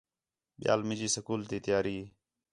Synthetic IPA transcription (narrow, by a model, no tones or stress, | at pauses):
ɓja̰ːlmɪd͡ʒiːsəkuːlt̪iːt̪ɪjaːɾiː